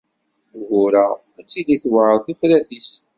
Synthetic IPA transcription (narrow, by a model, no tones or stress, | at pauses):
ɣʊɾa | æt͡sːiliθwaʕəðˤθifɾæθis